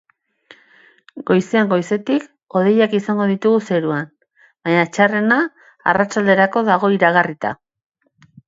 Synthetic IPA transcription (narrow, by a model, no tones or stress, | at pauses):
ɡo̞jseaŋɡo̞jse̞t̪ik | o̞ð̞e̞jakisaŋɡo̞ðit̪uɣuse̞ɾuan | baɲaet͡ʃare̞na̰ː | rat͡ʃald̪e̞ɾako̞ðaɣ̞o̞iɾaɣarit̪a̰